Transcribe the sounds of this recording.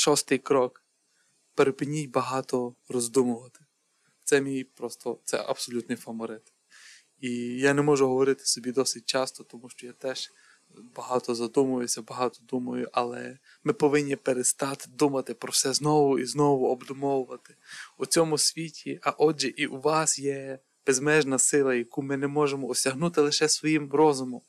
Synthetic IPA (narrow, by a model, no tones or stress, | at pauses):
ʃɔst̪ɪjkɾɔk | peɾepɪnʲijʲbɐɦɑt̪ɔrɔzd̪umʊʋɐt̪ɪ̥ | sɛmʲijpɾɔst̪ɔt̪sɛ̰ʔɐ̰b̥sɔlʲut̪nɪjfɐmɔɾɪt̪ | ijanɛmɔʒʊɦɔʋɔɾɪt̪ɪ̥sɔbʲid̪ɔsɪt̚ʲt͡ʃɑst̪ɔt̪ɔmuʃt͡ʃɔjat̪ɛʒ̥ | bɐɦɑt̪ɔzɐd̪umʊʋjesʲɐbɐɦɑt̪ɔd̪umɐjʊʔɐlˠɛ̰ | mɪpɔʋɪnʲːipeɾest̪ɑt̪d̪umɐt̪ɪpɾɔwsɛznɔʋʊiznɔʋʊɔbd̪ʊmɔwʊʋɐt̪ɪ̥ut͡sʲɔmʊsʲʋʲitʲiʔɐʔɔd͡ʒɛʔiʔuʋɑsjɛ | b̥ezmɛʒnɐsɪlˠɐjɐkumɪnɛmɔʒemɔɔsʲɐɦnut̪ɪlˠɪʃɛsʋɔjimɾɔzʊmɔm